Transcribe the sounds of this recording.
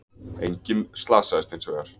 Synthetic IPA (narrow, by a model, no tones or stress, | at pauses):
ḛjɲcɪnst̪laːsaɛst̪ejnsveaɾ̥